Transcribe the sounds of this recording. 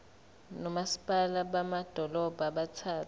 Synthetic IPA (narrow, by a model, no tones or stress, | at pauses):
nɔmasi̥pʼalaɓamad̥ʱɔlɔb̥ʱaɓat͡sʰaːtʰ